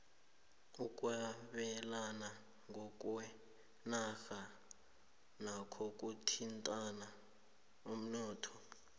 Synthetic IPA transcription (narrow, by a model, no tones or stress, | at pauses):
ukʼwaɓɛlana | ŋʱɔkʼwɛ | naxa | nakʰɔk̬ʼutʰintʼana | um̩nɔːtʰɔ̥